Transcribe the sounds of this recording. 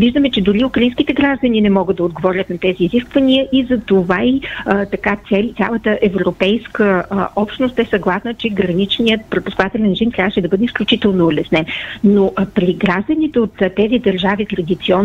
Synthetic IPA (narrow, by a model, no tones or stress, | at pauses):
viʒd̪əmɛt͡ʃɛd̪ʊɾiukɾɐinskit̪ɛɡɾaʒd̪əninɛmɔɡəd̪d̪ɐod̪̚ɡovɔɾʲət̪nɐt̪ɛziːziskvəniəʔizɐt̪ovait̪ɐkat̪sɛlʲt̪sʲjalˠət̪əʔɛvɾopɛjskəʔɔpʃt̪nost̪ɛsɐɡlˠasnət͡ʃɛɡɾɐnit͡ʃnijət̪̚pɾɛpʊskvat̪ɛlʲɛnʒint̪ɾʲavəʃɛd̪ɐbɤd̪ɛisklʲut͡ʃit̪ɛlˠnoːlɛsnɛnnːopɾiɡɾaʒd̪ənit̪ɛot̪ːɛzid̪ɐɾʒavit̪ɾɐd̪it̪siɔn